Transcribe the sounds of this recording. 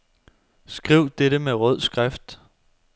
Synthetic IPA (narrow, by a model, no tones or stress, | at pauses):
sɡ̥ʁiʊ̰d̥eɾ̥əmeʁœð̞̰ˠsɡ̥ʁafd̥